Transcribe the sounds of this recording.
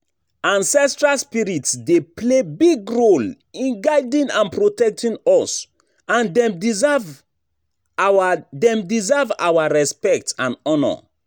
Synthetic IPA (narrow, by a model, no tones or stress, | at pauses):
ãnsɛstɹalspiɹitsdeplebiɡɹol | ĩnɡaɪdĩnãnpɹotɛk̚tʰĩnɔs | ãndɛmv | adɛ̃mdizɛva̰waɹɛspɛk̚tãnɔnɔ̰